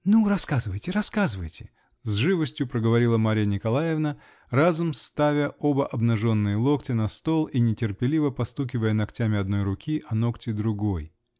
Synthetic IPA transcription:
nuɾɐskazɨvəjtʲɪɾɐskazɨvəjtʲɪ | zʐɨvəsʲtʲjʊpɾəɡəvɐɾʲilˠəmaɾʲɪjənʲɪkɐlˠajɪvnə | razʊmst̪avʲəo̞bəʔɐbnɐʐo̞nːɨjəlˠo̞ktʲɪnɐst̪o̞lˠinʲɪtʲɪrpʲɪlʲivəpɐst̪ukʲɪvəjənɐktʲamʲɪɐd̪no̞jɾʊkʲiʔɐno̞ktʲɪd̪ɾʊɡo̞j

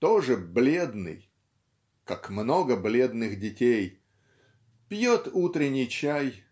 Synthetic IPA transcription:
t̪oʐɨblʲe̞d̪nɨ̰j | kakmno̞ɡəblʲe̞d̪nɨxdʲɪtʲej | pʲjot̪ut̪ɾʲɪnʲɪjt͡ɕæj

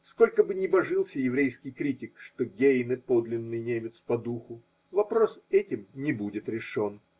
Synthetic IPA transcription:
sko̞lʲkəbɨnʲɪbɐʐɨlˠsʲəjɪvɾʲejskʲɪjkɾʲitʲɪkʂt̪oɡʲejnɨpo̞d̪lʲɪnːɨjnʲemʲɪt̪spɐd̪uxʊ | vɐpɾo̞sɛtʲɪmnʲɪbudʲɪt̪ɾʲɪʂo̞n

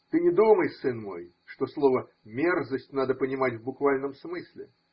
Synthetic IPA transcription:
t̪ɨnʲɪd̪uməjsɨnmo̞̰j | ʂt̪oslˠovə | mʲerzəsʲtʲnad̪əpənʲɪmatʲvbʊkvalʲnəmsmɨsʲlʲɪ̰

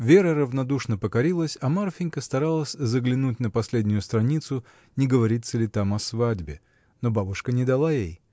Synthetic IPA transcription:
vʲeɾəɾəvnɐd̪uʂnəpəkɐɾʲilˠəsʲɐmarfʲɪnʲkəst̪ɐɾalˠəsʲzəɡlʲɪnut̚ʲnəpɐsʲlʲedʲnʲʊjʊst̪ɾɐnʲit̪sʊ | nʲɪɡəvɐɾʲit̪sːəlʲɪt̪amɐsvadʲbʲɪ | nobabʊʂkənʲɪd̪ɐlˠajej

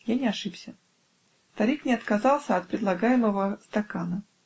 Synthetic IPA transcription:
janʲɪɐʂɨpsʲə | st̪ɐɾʲiknʲɪɐt̪kazɑlˠsʲəɐt̪̚pɾʲɪd̪lˠɐɡajɪməvəst̪akanə

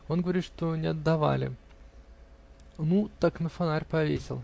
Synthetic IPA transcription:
o̞nɡəvɐɾʲit̪ʂt̪o̞nʲɪɐd̪ːɐva̰lʲɪ̰ | nut̪aknəfɐnaɾʲpɐvʲḛsʲɪ̰lˠ

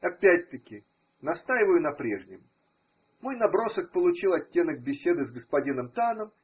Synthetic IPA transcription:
ɐpʲætʲt̪əkʲɪ | nɐst̪ajɪvəjʊnɐpɾʲe̞̰ʐnʲɪm | mo̞jnɐbɾo̞sək̚pəlˠʊt͡ɕilˠɐtʲːe̞nək̚bʲɪsʲe̞d̪ɨzɡəspɐdʲinəmt̪anəm

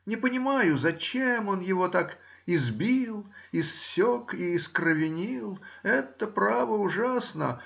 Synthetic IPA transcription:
nʲɪpənʲɪmajʊzɐt͡ɕemo̞njɪvo̞t̪ak | ɪzbʲilˠɪssʲokiːskɾəvʲɪnʲilˠɛt̪əpɾavəʊʐasnə̰

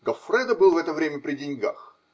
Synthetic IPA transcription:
ɡɐfɾɛd̪əbɨlˠvɛt̪əvɾʲemʲəpɾʲɪdʲɪnʲɡa̰x

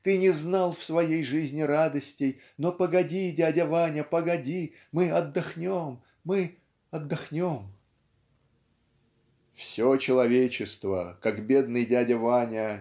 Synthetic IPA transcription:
t̪ɨnʲɪznɑlˠfsvɐjejʐɨzʲnʲɪɾad̪əsʲtʲɪj | nopəɡɐdʲidʲadʲəvanʲəpəɡɐdʲi | mɨɐd̪ːɐxnʲomː | ɨ | ɐd̪ːɐxnʲo̞m | fsʲot͡ɕɪlˠɐvʲet͡ɕɪst̪və̰kakbʲe̞d̪nɨjdʲadʲəvanʲə

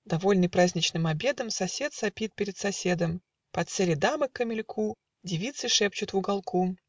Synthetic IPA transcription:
d̪ɐvo̞lʲnɨjpɾazʲnʲɪt͡ɕnɨmɐbʲed̪əmsɐsʲe̞t̪sɐpʲit̪̚pʲɪɾʲɪt̪sɐsʲed̪əm | pɐt̪sɛlʲɪd̪aməkːəmʲɪlʲkʰu | dʲɪvʲit̪sɨʂɛp̚t͡ɕʊt̪vʊɡɐlˠkʰu

